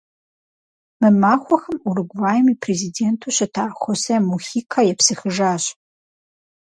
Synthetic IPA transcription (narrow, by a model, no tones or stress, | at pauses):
mɨmaːxʷɔxɐmurɨɡʷvaːjɛmiːpʰrezideːntʰuːɕɐtʰaːxʷɔsɐmuxiːkʰajɛpsɨxɨʒaːɕ